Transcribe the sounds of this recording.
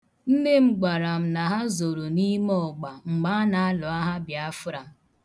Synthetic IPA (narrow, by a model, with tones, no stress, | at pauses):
n̩˦ne˦m̩˦ɡ͡ba˨ɾa˨m̩˨na˨ɦa˦zo˨ɾo˨ni˦m˦ɔ˦˨ɡ͡ba˨ŋ͡m̩˨ɡ͡ba˦na˨a˦lɔ˨a˦ɦa˦bja˨˦fʊ˦ɾa˨